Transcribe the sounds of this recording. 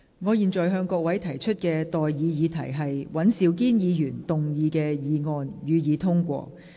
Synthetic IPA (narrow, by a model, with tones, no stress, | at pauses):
ŋɔː˨˧jiː˨˩nt͡ʃɔː˨jɦœː˧ŋkɔː˧k̚wɐ˨˥jt̪ʰɐ˨˩jt͡ʃʰɵ˥t̚kɛː˧t̪ɔː˨jjiː˨˧jiː˨˧t̪ʰɐ˨˩jɦɐ˨jwɐ˨˥nsiː˨˧wk̬iː˥njiː˨˧jyː˨˩nt̪ʊ˨ŋjiː˨˧kɛː˧jiː˨˧ŋɔː˨˧njyː˨˧jiː˨˧t̪ʰʊ˥ŋkʷɔ̰ː˧